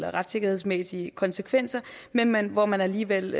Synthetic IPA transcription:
lɐʁɑ̈d̥se̝ɡ̥ɐhe̝ð̰ˠsmesiəkʰɒ̽nsekʰʋen̰sɐmenmænʋɒmænæliːʋel̰

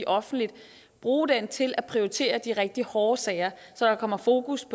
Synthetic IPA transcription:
iʔɒ̽fn̩̥lid̥ | b̥ʁuːd̥ent͡sʰe̝læpʰʁioit͡sʰe̝̰ːɐd̥iʁɛɡ̥̚d̥ihɒːsɛɪɐsɒ̽ɾ̥ɑ̈kʰɒ̽m̰ɐfo̝ːkuspʰɒ̽

